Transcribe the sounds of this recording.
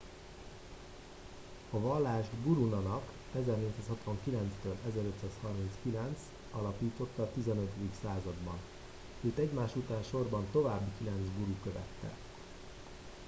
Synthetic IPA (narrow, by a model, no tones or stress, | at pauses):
ɒvɒlːaːʒbuɾunɒnɒk | ɛzɛrneːct̪saːshɒt̪ʋɒŋkilɛnt̪st̪øːlɛzɛɾø̞t̪saːshɒrminskilɛnt̪s | ɒlɒpiːt̪o̞t̪ːɒːt̪izɛnøt̪ed̪iksaːzɒd̪bɒ̰n | eːt̪ɛɟmaːʃut̪aːnʃo̞rbɒnt̪o̞vaːbːikilɛnt̪zbuɾukøvɛ̰t̪ːɛ̰